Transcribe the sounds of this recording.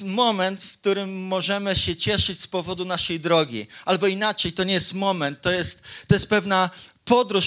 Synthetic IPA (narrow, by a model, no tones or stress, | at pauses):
mɔmɛnt̪fkt̪uɾɘmːɔʐɛmɘɕɛt͡ɕɛʂɘt͡ɕspɔvɔd̪unaʂɛjd̪ɾɔɡʲḭalbɔinat͡ʂɛjt̪ɔɲɛjɛst̪mɔmɛnt̪ːɔjɛst̪ːɔjɛst̪̚pɛvnapɔd̪ɾu